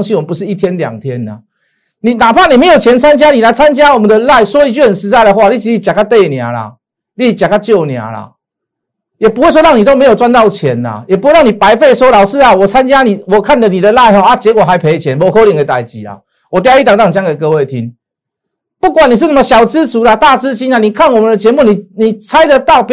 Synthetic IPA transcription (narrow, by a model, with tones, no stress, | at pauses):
ŋɕi˧˦wmə˨˩pu˧˦ʂ̬ɻ̩˥˩i˥t̪ʰjɛ˦nlja̰˨˩ŋt̪ʰjɛ˦na̰˨ | nĩ˨˩na˨˩pʰa˥˨ni˨˩me˧˦jo˨˩ʊt͡ɕʰjɛ˧˦nt͡sʰa˦nt͡ɕja˦˥ni˨˩la˧˥ɪt͡sʰa˦nt͡ɕja˦˥wɔ˨˩mə˨˦nd̪ə˧la˥˩ɪswɔ˦˥i˧˥t͡ɕy˥˩hə˨˩nʂɻ̩˧˦t͡sa˥˩ɪd̪ə˧xwa˥˨li˥˧t͡ɕʰi˧˦i˧˩t͡ɕja˨˩ka˥t̪e˥˧ɪnja˨˥la̰˨ | li˥˩˦t͡ɕja˨˩ka˥˧t͡ɕjo˥˨ʊnja̰˨˦la̰˨ | jɛ˨˩pu˧˦we˥ɪs̬wɔ˥ɻa˥˩ŋni˨t̪o˥me˧˥jo˨˩t͡swa˦˥nt̪ɑ˥˩ʊt͡ɕʰjɛ˨˦na̰˨jɛ˨˩pu˧˦we˥˦a˥˩ŋni˨˩pa˧˦ɪfe˥˩ɪswɔ˦˥lɑ˨˩ʊʂ̩˥˨a˨wɔ˨˩t͡sʰa˦nt͡ɕja˦˥ni˨˩wɔ˨˩kʰa˥˨nd̪ə˨ni˨d̪ə˨la˥˧ɪɦɔ˨˧a˦t͡ɕjɛ˧˦kwɔ˨˩ɦa˧˦ɪpʰe˧ɪt͡ɕʰjɛ˨˦nbɔ˧˩ko˧˦li˨ŋke˧˩t̪a˨˩ɪt͡ɕi˨˦a̰˨˩ | wɔ˨˩t̪̬ja˧˥˦i˥t̪a˨˩ŋt̪a˥˩ŋt͡ɕja˥ŋke˨˩kɤ˧we˥˨ɪt̪ʰḭ˦ŋ | pu˥˩kwa˨˩nːi˨˩ʂ̬̩˥˨nə˥˩mə˧ɕjɑ˨˩ʊt͡sɹ̩˦t͡su˨˥la˨˧t̪a˥˨t͡sɹ̩˦ɕi˦na˨ni˨˩kʰa˥˨nwɔ˨˩mə˨nd̪ə˧t͡ɕjɛ˧˦mu˥˨ni˨˩ni˨˩t͡sʰa˦˥ɪd̪ə˧t̪ɑ˥˨ʊp